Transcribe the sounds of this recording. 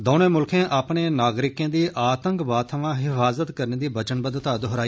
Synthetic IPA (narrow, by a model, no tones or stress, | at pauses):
d̪oːnẽːmʊlkʰẽːʔaːpɳeːnaːɡɾɪkẽːd̪iːʔaːt̪əŋkbaːt̪ʰəʋãːɦɪfaːzət̪kəɾneːd̪iːbət͡ʃənbəd̪t̪aːd̪ɦʊɾaːiː